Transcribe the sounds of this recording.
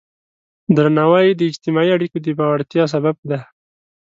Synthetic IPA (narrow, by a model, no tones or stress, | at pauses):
d̪ɾanawajd̪əɪd͡ʒt̪ɪmɑiaɽikod̪əbɑwaɽt̪jɑs̬abab̚d̪a